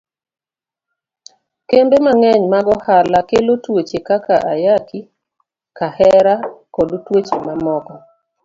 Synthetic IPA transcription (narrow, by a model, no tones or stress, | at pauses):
kembemaŋɛɲmaɡɔhalakelotwot͡ʃekakaʔajaki | kahɛɾakodutwot͡ʃemamɔkɔ